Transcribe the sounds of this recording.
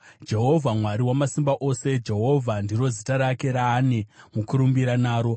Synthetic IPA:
d͡ʒe̞ɦo̞vʱamwaɾiwamasimbaʔo̞se̞d͡ʒe̞ɦo̞vʱandiɾo̞zitaɾakeɾaːnemukuɾumbiɾanaːɾo̞

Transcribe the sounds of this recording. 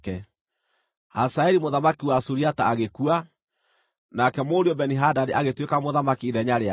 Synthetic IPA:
kɛ | asaɛɾimoðamakiwasuɾiataːɣekua | nakɛmoɾiɔbɛniɦadadeʔaɣetwekamoðamakiːðɛɲaɾea

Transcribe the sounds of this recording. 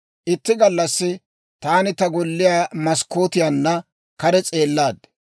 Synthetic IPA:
ʔɪt̪ːɪɡɐlːɐsːɪ | t̪aːnɪt̪ɐɡɔlːɪjaːmɐskːoːt̪ɪjanːɐ | kɐɾɛt͡sʼe̞ːlːaːd̪ɛ̥

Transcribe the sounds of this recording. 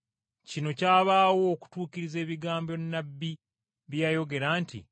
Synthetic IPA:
cino̞caːβaːwo̞ːku̥tuːkiɾize̞ːβiɡaːmbo̞nːabːi | βjajo̞ɡe̞ɾaːntḭ

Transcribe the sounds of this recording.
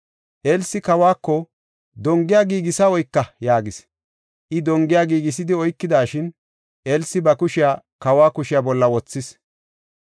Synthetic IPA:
ʔelsːɪkɐwaːkːɔ | d̪ɔŋɡɪjaɡiːɡɪsɐɔjkːɐjaːɡɪs | ʔɪd̪ɔŋɡɪjaːɡiːɡɪs̬ɪd̪ɪɔjkːɪd̪aːʃɪn | ʔelsːɪbɐkʊʃɪjaː | kɐwaːkʊʃɪjabɔlːɐwɔt͡sːɪs

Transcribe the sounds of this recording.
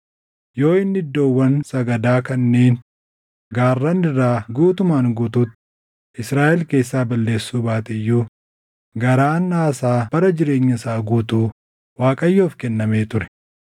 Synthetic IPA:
jo̞ːɪnːɪd̪ːoːwːɐnsɐɡɐd̪aːkɐnːe̞ːn | ɡaːrːɐnɪrːaːɡuːt̪ʊmaːŋɡuːt̪uːt̪ | ʔɪsɾaːʔɛlke̞ːsːaːbɐlːe̞ːsːuːbaːt̪ɛɪjːuː | ɡɐɾaːnːaːsaːb̥ɐɾɐd͡ʒɪɾe̞ːɲːɐsaːɡuːt̪uː | waːkʼɐjːoːfkɛnːɐme̞ːt̪ʊɾɛ̥

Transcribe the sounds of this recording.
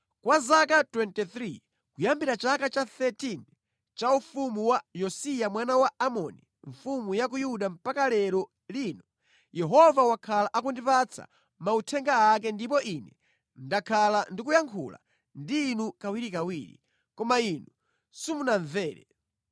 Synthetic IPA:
kwazakatwɛntiθɾi | kujambiɾat͡ʃakat͡ʃaθɛtin | t͡ʃaufumuwajɔsijamwanawaːmɔni | ɱfumujak̬ujuɗam̩pakalɛɾɔ | linɔ | jɛɦɔvawakʰalaʔak̬undipat͡sʰa̰ | mautʰɛŋɡaːk̬ɛndip̬ɔʔinɛ | ndakʰalandik̬ujaŋkʰṵla̰ | ndiːnukawiɾikawiːɾḭ | kɔmainu | sumunaɱvɛːɾɛ̰

